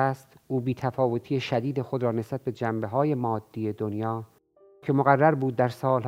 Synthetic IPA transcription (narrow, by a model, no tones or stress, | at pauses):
st̪ʔuːbiːt̪ʰæfɒːvo̞t̪ʰiːjeʃæd̪iːd̪exod̪ɾɒːnesbæt̪̚be̞d͡ʒæmbe̞ɦɒːje̞mɒːd̪̥ːiːjed̪onjɒː | cʰe̞moɣærːæɾbuːd̪̚ːæɾsɒːl